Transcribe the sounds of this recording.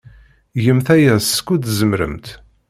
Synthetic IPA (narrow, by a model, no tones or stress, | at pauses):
jəmθæjæskːud̪zəmɾə̰mt̪